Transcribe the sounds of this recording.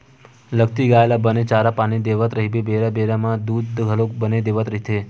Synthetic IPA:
ləɡt̪iɡaelabənet͡ʃaɾapañid̪eʋət̪ɾəɦibebeɾabeɾamãd̪ud̪ɡʱəlokbəned̪eʋət̪ɾəɦit̪ʰe

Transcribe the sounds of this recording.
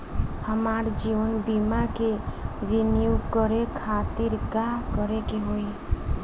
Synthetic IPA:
həmaɾd͡ʒiʋənbimakeɾenijukəɾekʰat̪iɾkakəɾekeɦoi

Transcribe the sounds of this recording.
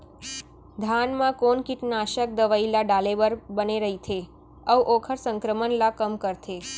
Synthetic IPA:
d̪ʱanmãkonkiʈnaʃək̚d̪əʋailaɖaleʋəɾbəneɾəɦit̪ʰe | əwʔokʰəɾsəŋkɾəmənlakəmkəɾt̪ʰe

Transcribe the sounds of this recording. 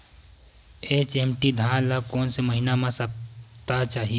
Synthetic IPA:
et͡ʃeːmʈid̪ʱãːnlakɔːnseməɦɪnamãsɐp̚t̪at͡ʃaːɦie

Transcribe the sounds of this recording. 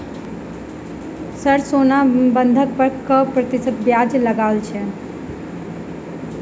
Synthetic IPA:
səɾsonabənd̪ʱək̚pəɾkəpɾət̪isət̪̚bjad͡ʒləɡalt͡ʃʰɛ

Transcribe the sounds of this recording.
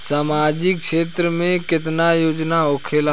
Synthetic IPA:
saːmad͡ʒɪkʃeːt̪ɾəmẽkɪt̪najoːd͡ʒnaɦoːkʰeːl

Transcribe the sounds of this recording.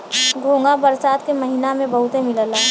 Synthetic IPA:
ɡʱõːŋɡabəɾsaːt̪keməɦinamẽbəɦut̪emɪləla

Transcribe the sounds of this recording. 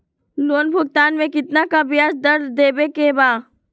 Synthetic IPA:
loːnbʱʊɡ̚t̪aːnmẽkɪt̪nakabɪjaːsd̪ɐɾd̪eːbekebaː

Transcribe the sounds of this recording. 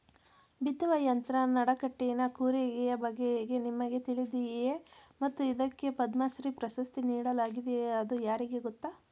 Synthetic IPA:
bit̪ːuʋɐjɐnt̪ɾɐnɐɽɐkɐʈːinɐkuːɾɛɡɛjɐbɐɡːeɡe̞nimːɐɡe̞t̪iɭid̪ijjemɐt̪ːuid̪ɐkːe̞pɐd̪maːsɾipɾɐsɐst̪iniːɽɐlaːɡid̪ejeɐd̪ujaːɾiɡe̞ɡɔt̪ːa

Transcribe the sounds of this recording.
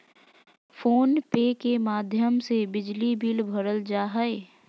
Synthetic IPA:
foːnpeːkemaːd̪ʱjəmsebɪd͡ʒlibiːlbʱɐɾəld͡ʒaːɦəe

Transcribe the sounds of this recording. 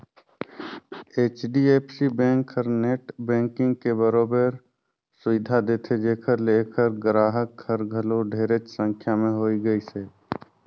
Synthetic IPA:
eːt͡ʃɖieːpsibɛ̃ːŋkəɾneːʈbɛ̃ːŋkɪ̃ŋɡ̚kebəɾoːbəɾ | sʊʋɪd̪ʱad̪eːt̪ʰed͡ʒeːkʰəɾleːkʰəɾɡɾaːɦəkhəɾɡʱəloɖʱeːɾət͡ʃsə̃ŋkʰjamẽɦoːiɡəiseː

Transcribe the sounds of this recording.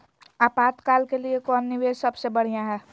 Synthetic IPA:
aːpaːt̪kaːlkeliekɔːnːɪʋed͡ʒsəbsebəɽ̤ijãɦɛː

